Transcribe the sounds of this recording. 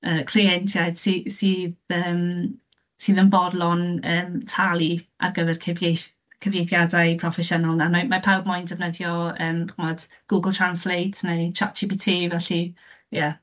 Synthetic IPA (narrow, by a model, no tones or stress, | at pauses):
əːkʰliɛntʰjajd̥sisiːðəːm | sɨːðənbɔrdlˠɔnəːmtʰalˠiʔa̰rɡəvɛrkʰəve | kʰəvjejpjadajpʰrɔfɛʃənɔlˠnamamapʰawbmʊjndɛvnəðjɔəːmɡ̥ʊmɔd̥ | ɡ̥uɡəlˠtʰranslejtʰnejt͡ʃʰat͡ʃʰibitʰiːvɛɬi | ja